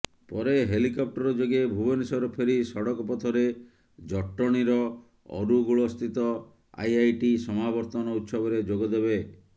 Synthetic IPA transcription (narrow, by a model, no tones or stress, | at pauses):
pɔɾeɦelikɔp̚ʈɔɾɔd͡ʒoɡebʱubɔnisɔɾɔpʰeɾisɔɽɔkɔpɔt̪ʰɔɾe | d͡ʒɔʈːɔɽ̃iɾɔ | ɔ̰ɾuɡuɭɔːst̪ʰit̪ɔ | a̰jajʈisɔmabɔɾt̪ɔnɔut̪sɔbɔɾed͡ʒoɡɔd̪ebe